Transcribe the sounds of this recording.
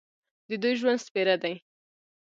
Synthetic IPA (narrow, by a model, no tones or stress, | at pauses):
d̪əd̪ujʒwand̪speɾad̪aj